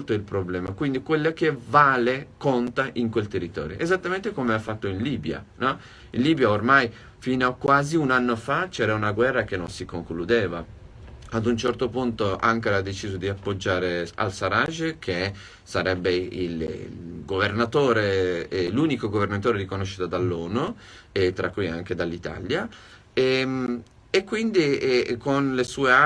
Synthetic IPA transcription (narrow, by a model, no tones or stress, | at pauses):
lt̪oilpɾoblɛːmakwind̪ikwelːok̟evaːlekont̪aʔiŋkwelt̪erːit̪ɔ̰ːɾjo̰ʔezat̪ːament̪ekomeafːat̪ːoinliːbja̰nɔ | inliːbjaormaj | fiːnoakwaːziunanːofat͡ʃɛːɾaunaɡwɛrːak̟enːonsikoŋklud̪eːva | ad̪unt͡ʃɛrt̪opunt̪oa̰ŋkeɾad̪ːet͡ʃiːzod̪iapːod͡ʒːaːɾea̰lsaɾaʒkʰe | saɾɛbːeḭlɡovernat̪oːɾeluːnikoɡovernat̪oːɾed̪ikonoʃːit̪ad̪alːoːnuet̪ːɾakːuja̰ŋked̪alːit̪a̰lja | em | ekːwind̪iɛkonlesuːea